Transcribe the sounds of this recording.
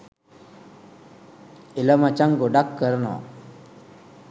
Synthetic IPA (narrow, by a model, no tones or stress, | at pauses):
ilamat͡ʃaŋɡoɖakːəɾno̰